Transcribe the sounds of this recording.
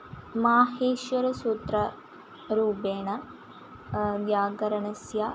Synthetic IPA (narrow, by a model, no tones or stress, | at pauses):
maːɦeːʃʋɐɾusuːt̪ɾɐ | ɾuːbeːɳɐ | ʋjaːɡɐɾɐɳɐsja